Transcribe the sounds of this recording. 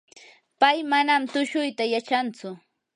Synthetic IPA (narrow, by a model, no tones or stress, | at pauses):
pajmanamt̪ʊʃʊjt̪ajat͡ʃant͡sʊ